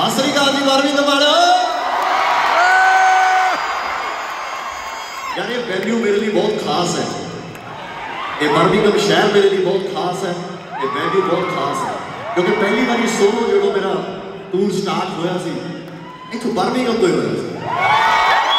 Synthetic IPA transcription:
ɦãːsəɾiːkaːd̪iːbəɾʋiːt̪əmaːɽaː | jaːneːʋɛːljuːmeːɾeːliːbɔːt̪kʰaːsɦɛ̰ː | t̪eːbəɾʋiːkəmʃɛːɾmeːɾeːliːbɔːt̪kʰaːsɦɛː | t̪eːʋɛːljuːbɔːt̪kʰaːsɦɛ̰ː | kjõːkepɛːliːbəniːsoːlːoːɽaːmeːɾaː | ʈ̪uːnsʈaːɾʈɦoːjaːsiː | ɪt̪ʰːobəɾʋiːkəmoiɦo̰ːja̰ːsiː

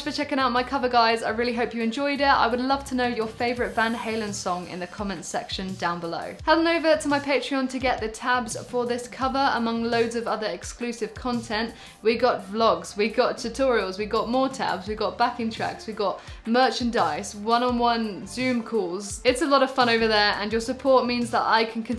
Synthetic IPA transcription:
t͡ʃfət͡ʃʰɛkɪ̃ŋaʊʔ̚maɪkʰʌvəɡaɪzaɪɹɪːliɦəʊpjəɨ̃nd͡ʒɔɪdɪa̰ɪwədˡlʌv̥tʰənəʊjəfeɪvəɹɪtvãnheɪlˠə̃nsɒ̃ŋɪ̰̃nðəkʰɒmə̃nsɛkʃə̃ndãʊ̃nbələ̰ʊhɛlˠdɪ̃ŋəʊvətʰəmaɪpʰeɪt͡ʃɹ̥iə̃ntʰəɡɛʔ̪̚ðɨtʰabz̥fəðɪskʰʌvəɹə̰mʌ̃ŋləʊdzʌvʌðə˞ɛksklʉsɪv̥kʰɒ̃ntʰɛ̃nʔ | wiɡɒtvlɒɡz̥wiɡɒtʰɨtʰɔɹiəlˠzwiɡɒʔ̚mɔɹtʰa̰bzwiɡɒt̚b̥akɪ̃ŋtʰɹ̥a̰kswiɡɒʔ̚ | mɜˑt͡ʃɨ̃ndaɪswʌ̃nə̃nwʌ̃nzʉ̃mkʰɔːlˠzɪtsəlɔɾʌv̥fʌ̃ɾ̃oʊvəðə˞ə̰̃njəsəpʰɔɹʔ̚mĩnzðəɾa̰ɪkʰnkʰə̃n

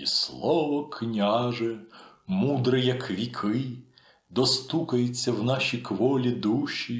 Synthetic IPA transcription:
ḭslˠɔʋɔkʰnʲaʒɛmud̪ɾɪjɐkʋʲikʰɪ | d̪ɔst̪ukɐjet͡sʲːɐwnɑʃʲikʋɔlʲid̪uʃʲi

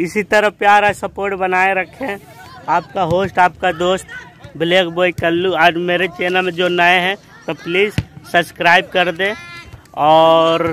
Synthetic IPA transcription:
ɪsit̪əɾəpjaːɾasəpoːɾʈbənaːeɾɐkʰẽ | aːpkaɦoːsʈaːpkad̪oːsʈ | bɪleːkʰboːikəlːuɔːɾmeːɾet͡ʃeːnəmẽd͡ʒonəeɦɛ̃ | t̪opliːzsəbskɾaːɪb̚kɐɾd̪ẽ | ɔːɾ

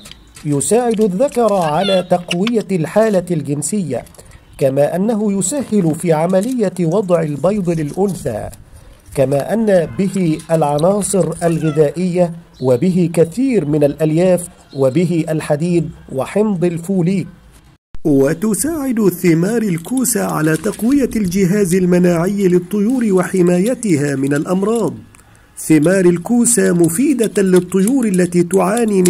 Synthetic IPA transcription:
jʊsaːʕɪd̪ʊðːakɑɾˤʕalaːt̪ɑqwɪjalħaːlalɡɪnsɪjːa̰ | kamaːʔanːaɦʊjʊsahːɪlʊfiːʕamalɪjːawɑd̪ˤʕɪlbɑjd̪ˤlɪlʔʊnθa̰ː | kamaːʔanːabɪhɪʔalʕɑnɑːsˤɨɾʔalɣɪðaːʔɪjːa | wabɪɦɪkaθiːɾmɪnalʔaljaːf | wabɪɦɪʔalħad̪iːd̪̚wɪħɪmd̪ˤɪlfuːliː | wat̪ʊsaːʕɪd̪θɪmaːɾˤalkuːsaʕa̰laːt̪ɑqwɪjald͡ʒɪɦaːzalmanaːʕɪjːlɨt̪ˤːʊjuːɾwaħɪmaːjat̪ɪhaːmɪnalʔɑmɾˤɑːd̪ˤ | θɪmɑːɾˤalkuːsaːmʊfiːd̪alɨt̪ˤːʊjuːɾʔalːat̪iːt̪ʊʕaːniː

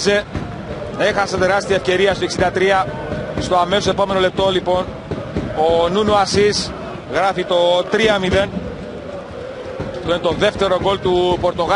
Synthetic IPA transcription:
ze | exɐset̪e̞ɾɐst̪iɐefce̞ɾiɐst̪oksind̪ɐt̪ɾiɐ | st̪oɐme̞sosepo̞me̞no̞le̞p̚t̪o̞lipo̞n | onunuɐsis | ɣɾɐfit̪o̞t̪ɾiɐmiðe̞n | t̪oinet̪o̞ðe̞ft̪e̞ɾo̞ɡo̞lt̪upo̞ɾt̪o̞ɣ

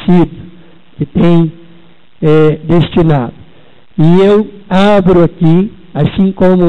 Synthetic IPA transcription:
sid̪ | kɪt̪ẽj̃ | ɛd̪est͡ʃinad̪ʊ | iewabɾʊaki | asĩŋkõmʊ

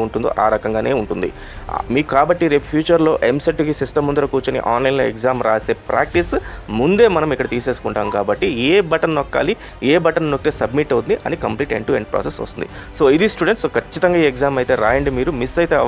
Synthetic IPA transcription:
uɳʈund̪o̰ːʔaːɾɐkɐŋɡaːne̞ːuɳʈund̪ḭ | miːkukaːbɐʈːiɾeːppʰjuːt͡ʃɐɾlo̞ːʔemseʈːukisisʈɐmund̪uɾɐkuːt͡ʃonḭʔaːnlɐjnloːekzaːmɾaːse̞ːpɾa̰ːk̚ʈismund̪e̞ːmɐnɐmikːɐɽɐt̪iːse̞ːsu̥kuɳʈaːmkaːbɐʈːieːbɐʈɐnnɔkːa̰ːli | eːbɐʈɐnnokːit̪eːsɐbmiʈːɐwund̪iʔɐ̰nikɐmpliːʈḛɳʈueɳɖ̚pɾa̰ːsesʋɐ̰st̪und̪ḭ | so̞ːid̪isʈuɖeɳʈskɐt͡ʃːit̪ɐŋɡaːiːeɡzaːmɐjt̪e̞ːɾaːjɐɳɖimiːɾumisːɐjt̪eːɐ

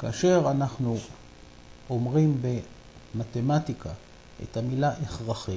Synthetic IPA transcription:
kaaʃeʁanaχnu | omʁimbe | mat̪emat̪ikʰa | ḛt̪amilaʔeχʁaχi

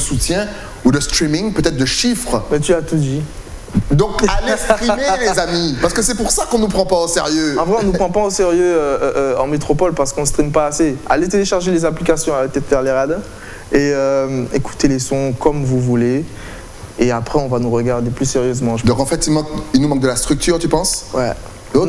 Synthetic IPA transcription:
əsut̪jɛ̃ | udəst̪χimiŋpøt̪ɛt̪χd̪əʃifχmɛt̪yat̪ud̪i | d̪ɔ̃kalestχimelezamipaʁsəkəsɛpuʁsakɔ̃nupχɑ̃paosḛʁjøɑ̃vʁɛɔ̃nupχɑ̃paoseʁjøøʔːɑ̃met̪χopɔlpaʁsə̥kɔ̃st̪χimpaːsea̰let̪eleʃaʁʒelezaplikasjɔ̃apət̪ɛt̪fɛʁleʁad̪ | eømeku̥t̪elesɔ̃kɔmvuvuleː | apχɛɔ̃vanuʁəɡaʁd̪eplyseʁjøzmɑ̃ʒd̪ɔ̃kɑ̃fɛt̪ilmɑ̃k̚ilnumɑ̃k̚d̪əlast̪χyk̚t̪yʁt̪ypɑ̃swɛ̰ | o

